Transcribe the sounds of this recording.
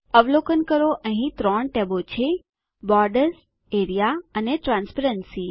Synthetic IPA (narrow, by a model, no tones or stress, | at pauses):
əʋlokənkəɾoʔə̃ɦĩt̪ɾɔ̃ɳʈɛbot͡ʃʰe | bɔɾɖəɾs | eɾijaəneʈɾãnspʰəɾənsi